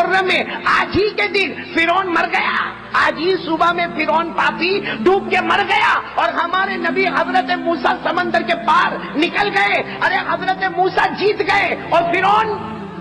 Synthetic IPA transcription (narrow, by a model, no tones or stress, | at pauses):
ɾnəmẽaːd͡ʒʱiked̪ɪn | fɪɾɔːnmɐɾɡɐja̰ | aːd͡ʒʱiːsʊbamẽfɪɾɔːnpaːpiɖʱuːp̚kemɐɾɡɐjaɔːɾɦɐmaːɾenɐbiɦɐzɾət̪emuːsasɐmə̃nd̪əɾkepaːɾ | nɪkəlɡɐẽ | ɐɾeɦɐzɾət̪emuːsad͡ʒiːt̪ɡɐẽɔːɾfɪɾɔːn